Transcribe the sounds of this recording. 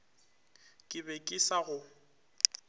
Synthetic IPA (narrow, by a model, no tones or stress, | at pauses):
kʼɪbɛkʼɪsaɣʊ